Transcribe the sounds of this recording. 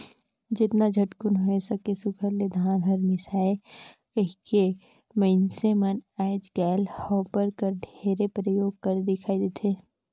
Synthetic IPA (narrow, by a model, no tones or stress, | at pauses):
d͡ʒɪt̪nad͡ʒʱɐʈkʊnɦoesɐkesʊkʰəɾled̪ʱaãɡʱɐɾmɪsaːekɐɦike | məɪnsemɐnɛːd͡ʒɡɛːlhɔːpəɾkəɾɖ̪ʱeːɾepɾəjoːɡ̚kɐɾd̪ɪkʰaːid̪et̪ʰeː